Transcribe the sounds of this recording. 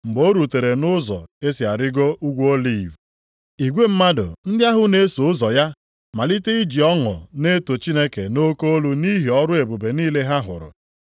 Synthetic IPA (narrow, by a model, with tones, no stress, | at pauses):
ŋ͡m̩˨ɡ͡bo˦ɾu˨te˨ɾe˨nʊ˦zɔ̰˨e˦si˨a˨ɾɪ˦ɡo˦ʔu˦ɡʷo˦li˨v | i˨ɡʷe˦m̩˦ma˦dʊ̰˨n̩˦dɪ˦a˦ɦʊ˦ne˦so˨ʊ˦zɔ˨ja˦ | ma˨li˦te˦i˦d͡ʒi˨ɔ˦ŋʊ̰˨ne˦to˨t͡ʃi˦ne˦ke˨no˦ko˦o˦lu˦ni˦ɦi˨ɔ˦ɾʊ˦e˨bu˨be˨niː˦le˦ɦa˦ɦʊ̰˨ɾʊ̰˨